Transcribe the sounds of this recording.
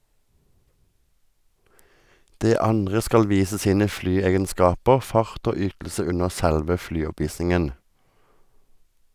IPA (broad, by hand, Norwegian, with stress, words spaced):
ˈdeː ˈɑnʁə ˈskɑl ˈʋiːsə ˈsiːnə ˈflyːˌeːɡənˌskɑːpəʁ ˈfɑʁt ˈoː ˈʏtl̩sə ˈʉnəʁ ˈsælʋə ˈflyːˌɔˌpʋiːsɪŋən